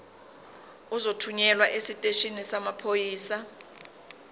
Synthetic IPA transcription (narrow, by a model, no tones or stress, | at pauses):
uzotʰuɲɛlwaʔesitʼeʃinisamapʰojiːsa